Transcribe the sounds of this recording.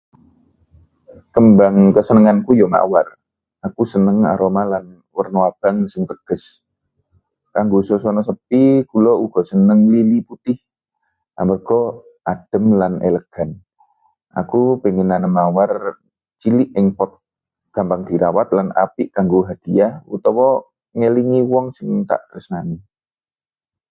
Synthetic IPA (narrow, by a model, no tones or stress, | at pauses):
kəmbaŋkəsənəŋankujɔma̰war | akusənəŋa̰ɾomalan | wərnoab̥aŋsɪŋt̪əɡ̥əs | kaŋɡososɔnɔsəp̚ikulɔuɡ̥ɔsənəŋliliput̪ɪh | ʔa̰mərkɔ | ʔad̥ə̤mlanḛləɡ̥a̤n | ʔa̰kupeŋinanəmawar | t͡ʃiliʔɪŋpɔt̪̚ | ɡ̥a̤mpaŋd̪̥i̤ɾawat̪̚lana̰pɪʔkaŋɡoɦad̪̥iahṵt̪ɔwɔ | ŋeliŋiwɔŋsɪŋt̪a̰ʔɡ̥əɾəsnani